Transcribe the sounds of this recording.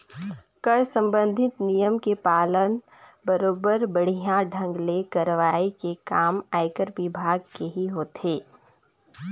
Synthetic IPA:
kəɾsɐ̃mbə̃nd̪ʱɪt̪nijəmkepaːlən | bəɾoːbəɾbəɽ̤ijãɖʱə̃ŋɡlekɐɾʋaːikekaːmaːɪkəɾʋɪbʱaːɡkeɦiɦoːt̪ɦeː

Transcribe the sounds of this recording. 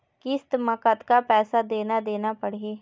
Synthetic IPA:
kɪst̪məkət̪kapɛːsad̪eːnad̪eːnapəɽ̤eː

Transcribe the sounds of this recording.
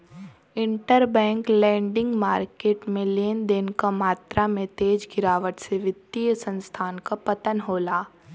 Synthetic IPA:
ɪ̃ɳʈəɾbɛ̃ːŋklɛ̃ːɳɖɪ̃ŋɡmaːɾkeːʈmẽleːnd̪eːnkamaːt̪ɾʔamẽt̪eːd͡ʒɡɪɾaːʋəʈseʋɪd̪ijsə̃nst̪ʰaːnkapɐt̪ənɦoːlaː

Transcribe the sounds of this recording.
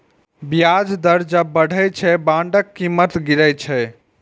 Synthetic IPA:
bijad͡ʒd̪əɾd͡ʒəbəɽ̤ʱət͡ʃʰɛbãɳɖəkːimət̪ɡiɾəjt͡ʃʰɛ

